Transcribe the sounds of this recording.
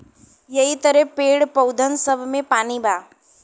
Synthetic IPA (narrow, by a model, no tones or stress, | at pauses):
jɐit̪əɾəpeːɽpəwd̪ʱənsəbʱmẽpaːnibʱaː